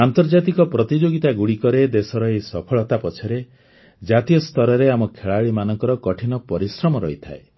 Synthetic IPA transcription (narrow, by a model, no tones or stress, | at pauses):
ant̪ɔɾd͡ʒat̪ikɔpɾɔt̪id͡ʒoɡit̪aɡuɽikɔɾed̪esɔɾɔejsɔpʰɔɭɔt̪apɔt͡ʃʰɔɾe | d͡ʒat̪ijɔst̪ʰɔɾɔɾeamɔkʰeɭaɭimanɔŋkɔɾɔkɔʈʰinɔpɔɾisɾɔmɔɾɔɦit̪ʰa̰e